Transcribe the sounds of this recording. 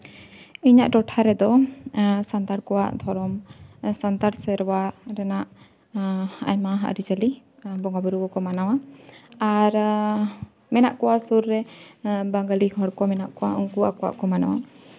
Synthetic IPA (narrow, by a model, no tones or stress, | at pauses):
iɲaʔʈɔʈʰaɾɛd̪ɔ | sant̪aɽkɔwa̰ʔd̪ʱɔɾɔmsant̪aɽsɛɾwaɾɛnaʔ | a̰jmaɦa̰ʔɾid͡ʒali | bɔŋɡabuɾuɡɔkɔmanawaaɾ | mɛnaʔkɔwasuɾːɛbaŋɡalihɔɽkɔmɛnaʔkɔwauŋkuakɔwa̰ʔkɔmanawa